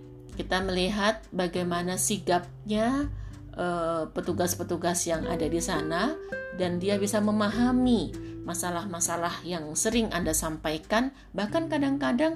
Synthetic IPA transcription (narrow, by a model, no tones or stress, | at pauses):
kit̪aməliɦat̪̚baɡajmanasiɡap̚ɲa | ʔəpət̪uɡaspət̪uɡasjaŋa̰dadisanadandiabisaməmaɦamimasalahmasalahjaŋsəɾɪŋʔandasampajkan | bahkankadaŋkadaŋ